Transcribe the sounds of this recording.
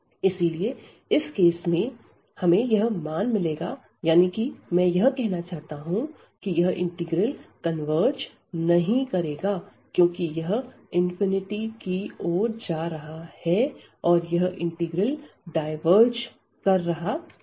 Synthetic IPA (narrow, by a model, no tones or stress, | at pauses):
ɪsilie | ɪskeːsmẽ | hɐmẽjɐɦmaːnmɪleːɡa | jaːnikimɛ̃ːjɐɦkɛɦnat͡ʃaːɦt̪aɦũ | kijɐɦɪ̰̃ɳʈɪɡɾəlkɐnʋəːɾɾd͡ʒ | nɐɦĩkɐɾeːɡaːkjõːkijɐɦ | ɪ̃nfɪnɪʈikioːɾd͡ʒaːɾɐɦahɛ | ɔːɾjɐɦɪ̃ɳʈɪɡɾəlɖaːɪʋəɾd͡ʒ | kɐɾːɐɦaː